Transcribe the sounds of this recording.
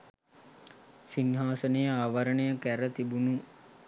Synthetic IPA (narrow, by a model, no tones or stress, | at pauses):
sinɦaːsənejəaːʋaɾənəjəkæɾət̪ibunu